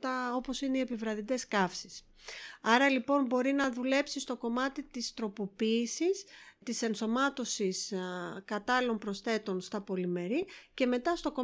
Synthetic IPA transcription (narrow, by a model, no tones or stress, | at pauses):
t̪ɐo̞po̞sineiepivɾɐðid̪eskɐfsis | ɐɾɐlipo̞nbo̞ɾinɐðule̞psist̪o̞ko̞mɐt̪it̪ist̪ɾo̞po̞piːsist̪ise̞nso̞mɐt̪o̞siskɐt̪ɐlo̞mpɾo̞sθe̞t̪o̞nst̪ɐpo̞lime̞ɾice̞me̞t̪ɐst̪o̞ko̞